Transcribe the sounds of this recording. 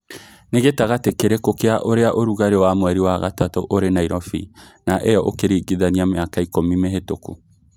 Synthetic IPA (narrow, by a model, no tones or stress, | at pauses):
neɣetaɣatekeɾekokeaʔoɾeaʔoɾuɣaɾewaːmwɛɾiwaːɣatatoʔoɾenaiɾɔfḭ | naʔɛjɔʔokeɾiɡiðaniameakaikomimeɦetoku